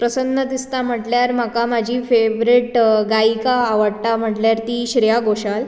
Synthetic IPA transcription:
pɾəsənːəd̪ist̪am̤əʈljaɾmakamad͡ʑʱiːfeʋɾiʈɡaikaːʋəɽt̪am̤əʈljaɾt̪iːɕɾijaɡoɕal

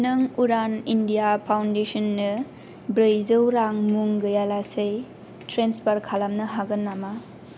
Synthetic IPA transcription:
nɯŋuɾanindijapʰawndesɔnːɯ | bɾɯjzɯwɾaŋmuŋɡɯjalasɯj | tɾenspʰaɾkʰalamnɯɦaɡɯnːama

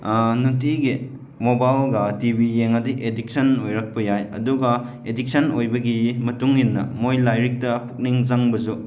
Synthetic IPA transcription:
nutiɡi | mobajlɡɐtibijeŋɐdiʔedik̚sɐnojɾɐk̚pɐjajɐ̰duɡɐ | edik̚sɐnojbɐɡimɐtuŋhinːɐ̰mojlajɾik̚tɐpʰu̥k̚niŋzaŋbɐzu

